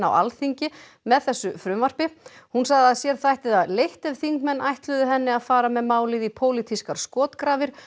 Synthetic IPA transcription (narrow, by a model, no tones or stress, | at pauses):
a̰wʔa̰lθiɲcɪ | mɛðθɛsːʏfɾʏmvar̥pɪhunsaɣðɪaðsjɛɾ̥θajht̪ɪðaðlejht̪ɛv̥θiŋkmɛnːʔajht̪lʏðʏɦɛnːɪaðfaːɾamɛðmaːwlɪðipʰoːwlit̪ʰiskaɾ̥skɔːt̪kɾaːvɪɾ̥